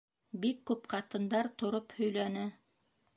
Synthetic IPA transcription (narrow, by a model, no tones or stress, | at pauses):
bikːʉpqɑt̪ɤ̆nd̪ɑɾt̪ŏɾophɵ̆jlænɘ